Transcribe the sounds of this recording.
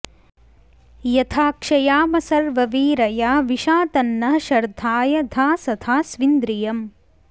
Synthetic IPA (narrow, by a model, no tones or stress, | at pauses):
jɐt̪ʰaːkʂɐjaːmɐsɐɾʋɐʋiːɾɐjaːʋiʃaːt̪ɐnːɐɦɐʃɐɾd̪ʱaːjɐd̪ʱaːsɐt̪ʰaːsʋind̪ɾijɐm